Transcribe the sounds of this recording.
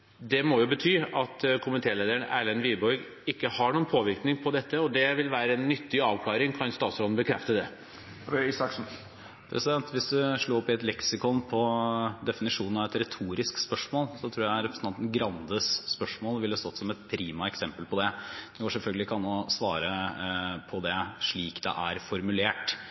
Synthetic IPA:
d̪ɛmɔjʊbət̪ʰyːɑt̪kʰʊmənt̪ʰeːleːd̪əɾəɳæːlənʋibɔɾɡ | ɪkːəhɑɳuːənpʰoːʋɪɾknɪŋpʰɔd̪ɛt̪ːəɔd̪ɛʋɪlʋæːɾəɛnːʏt̪ːɪɑːʋkʰlɑːɾɪŋkʰɑnst̪ɑːt̪sɾɔd̪n̩bəkʰɾɛft̪əd̪ɛ | ɪsɑkʂn̩ | pʰɾʔɛ̰sɪd̪ɛnt̪ʋɪsd̪ʉʂɭuːɔpːɪɛt̪lɛksɪkɔnpʰɔd̪ɛfɪnɪʂuːnnɑʋɛt̪ɾɛt̪ʰuːɾɪskspœʂmoːlsɔt̪ʰɾuːɾjæɪɾɛpɾəsn̩ɑnt̪ən̩ɡɾɑnd̪əsːpœʂmoːlʋɪlhɑst̪ɔt̪ːsɔmɛt̪pʰɾiːmɑɛksɛmpəlpʰɔd̪ɛd̪ɛɡoːʂɛlfœlɡəlɪkʰɑnɔsʋɑːɾə | pʰɔd̪ɛʂɭiːkd̪ɛ̰ʔæɾfɔɾmʉleːʈ

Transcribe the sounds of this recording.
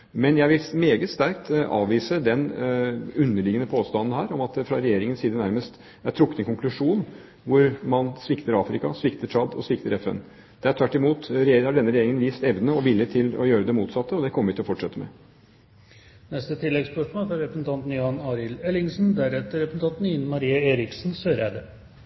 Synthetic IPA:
mɛnjæɪʋɪlmeːɡət̪st̪æɾkt̪ʔɑ̰ːʋiːsəd̪ɛn | ʉnːəɭɪɡənəpʰoːst̪ɑnn̩hæːɾɔmɑt̪̚d̪ɛfɾɑɾɛjeːɾɪŋənsiːd̪ənæɾməst̪ | æʈʰɾʊkːət̪ɛnkʰʊŋklʉʂuːn | ʋʊɾmɑnsʋɪkt̪əɾɑːfɾɪkɑsʋɪkt̪əʂʰɑd̪ɔ̰sʋɪkt̪əɾɛfɛ̰n | d̪̥ɛæɾʈʰʋæʈːɪmuːt̪ɾhɑɖɛnːəɾɛjeːɾɪŋənʋiːst̪ɛʋnənəɔʋɪlːət̪ʰɪlɔ̰jøːɾəd̪ɛmuːt̪sɑt̪ːəɔd̪ɛkʰɔmːəɾɪt̪ɪɔfɔʈʂɛt̪ːəmɛ̰ | nɛst̪ət̪ʰɪlːɛɡspœʂmoːlfɾɑɾɛpɾəsnt̪ʰɑnt̪n̩jɑnɑɾɪlɛlɪŋsn̩d̪æɾɛt̪ːəɾɛpɾəsn̩t̪ɑnt̪n̩ɪnmɑɾiːəeːɾɪksn̩søːɾjæd̪ɛ

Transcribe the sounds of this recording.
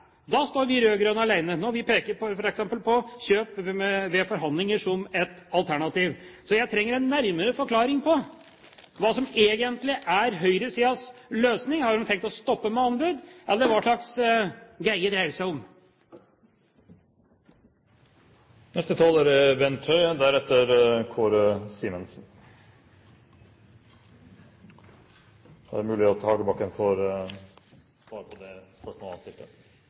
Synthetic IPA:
d̪ɑst̪oːɾʋɪɾøːɡɾœnɑlæɪnənoːʋɪpʰeːkəɾpʰɔfɔɾɛksɛmpəlpʰɔɕøːpɛʋɛfɔɾɦɑnd̪lɪŋəʂɔmɛt̪ | ɑlˠt̪ʰæɳɑt̪iːʋsɔjæɪt̪ʰɾɛŋːəɾɛnːæɾməɾəfɔɾkʰlɑːɾɪŋpʰɔ | ʋɑːsɔmeːɡənt̪lɪʔæɾɦœʏɾəsiːɑsløːsnɪŋhɑʉmt̪ʰɛŋkt̪ɔst̪ɔpːəmɛɑnbʉd̪ʔɛlːəɾʋɑːʂɭɑks | ɡæɪəd̪ɾæɪəsæɪɔm | nɛst̪ət̪ʰɑːlæɾbɛnt̪ʰœʏd̪æɾɛt̪ːəɾkʰoːɾsiːmənsn̩ | d̪æɾmʉːlɪɔt̪ʰɑːɡəbɑkːənfɔɾ | sʋɑːɾəpʰɔd̪ɛspœʂmoːlɑsɪft̪ə

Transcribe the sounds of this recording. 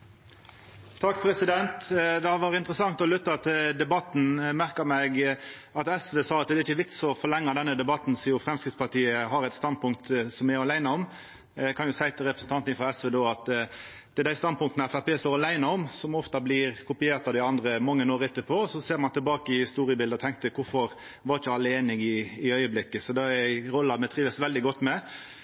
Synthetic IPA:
t̪ʰɑkːpʰɾɛsɪd̪ɛnt̪d̪ɛhɑʋɑːɾəɪnt̪ɾəsɑŋt̪ɔlʉt̪ːɑɑt̪d̪ɛbɑt̪ːn̩mæʁkəmɛɡɑt̪ɛsʋeːsɑːɑt̪̚d̪ɛɾɪçəʋɪkt̪sɔfɔʁlɛŋːɑd̪ɛnːəd̪ɛbɑt̪n̩siːʊfɾɛmskʁɪt̪spɑʁt̪iːəɦɑɾɛɪt̪st̪ɑnd̪̚pʊŋk̚t̪sɔmæɾɑlæɪnɑɔm | kʰɑnjʊsæɪt̪ɪlʁɛpɾəsn̩t̪ɑnt̪nɪfʁɑɛsʋeːd̪oːɑt̪ | d̪̥ɛd̪æɪst̪ɑnd̪̚pʊŋkt̪ənəæfæpeːst̪oːɾɑlæɪnəɔmsɔmɔft̪ɑblɪɾkʰʊpɪeːɾt̪ɑd̪ɪɑnd̪ɾəmɑŋːənoːɾəɛt̪ːəpʰoːɔsɔseːɾmɑnt̪ʰɛlbɑːkəɪhɪst̪uːɾɪəbɪld̪əɔt̪ʰɛŋk̚t̪əkʰʊɾfɔɾ | ʋɑɾt͡ʃəɑlːəeːnɪɡɪɪœʏəblɪkːəsɔd̪ɛɛæɪɾɔlːɑmɛt̪ʰɾiːʋəsʋɛld̪ɪɡɔt̪ːmɛ

